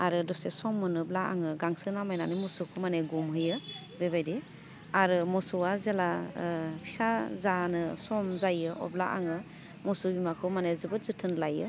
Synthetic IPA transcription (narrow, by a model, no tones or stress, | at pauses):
aɾɯdɔsesɔmːɯnɯblaa̰ŋɯɡaŋsɯnamajnanɯmɔsukʰumaneɡumɦɯjɯ | bebajdi | aɾɯmɔsuwazelapʰi̥sazanɯsɔmzajɯʔɔ̰bla̰ʔa̰ŋɯ | mɔsubimakʰɯmanezɯbɯtzɯtʰɯnlajɯ